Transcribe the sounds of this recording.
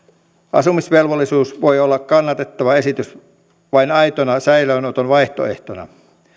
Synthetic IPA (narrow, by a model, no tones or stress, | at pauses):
ʔɑ̰sumisʋelʋolːˑisuːsʋojolːɑkkɑnːɑt̪et̪ːɑʋɑesit̪ys | ʋɑinɑit̪onɑsæiløːnot̪onʋɑiht̪o̰eht̪onɑ̰